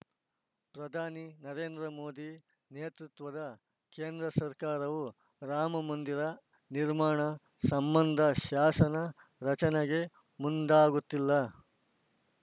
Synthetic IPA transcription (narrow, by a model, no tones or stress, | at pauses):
pɾɐd̪ʱaːninɐɾeːnd̪ɾɐmoːd̪i | neːt̪ɾut̪ʋɐd̪ɐ | keːnd̪ɾɐsɐɾkaːɾɐʋu | ɾaːmɐmɐnd̪iɾɐ | niɾmaːɳɐ | sɐmbɐnd̪ʱɐʃaːsɐnɐ | ɾɐt͡ʃɐneɡe̞ | mund̪aːɡut̪ːilːɐ